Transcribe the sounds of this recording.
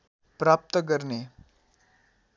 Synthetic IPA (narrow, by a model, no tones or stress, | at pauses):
pɾap̚t̪ək̬əɾne